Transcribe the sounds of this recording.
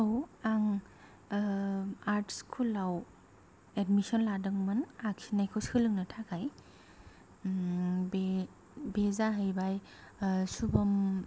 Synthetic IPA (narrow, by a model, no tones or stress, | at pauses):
awaŋ | aɾtʰskʰulaw | edmisɔnladɯŋmɯnakʰinajkʰoskʰɯlɯŋnɐtʰakʰaj | be | bezaɦɯjbaj | subɐm